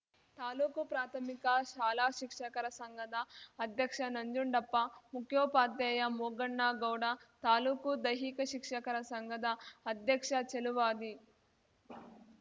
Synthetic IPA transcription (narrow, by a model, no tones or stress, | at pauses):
t̪aːluːkupɾaːt̪ʰɐmikɐʃaːlaːʃikʂɐkɐɾɐsɐŋɡɐd̪ɐːd̪ʱjɐkʂɐnɐɲd͡ʒuɳɖɐpːɐmukʰjoːpaːd̪ɛːjɐmuːɡɐɳːaːɡɐwɽɐt̪aːluːkud̪ɐjɦikɐʃikʂɐkɐɾɐsɐŋɡɐd̪ɐːd̪ʱjɐkʂɐt͡ʃeluʋaːd̪i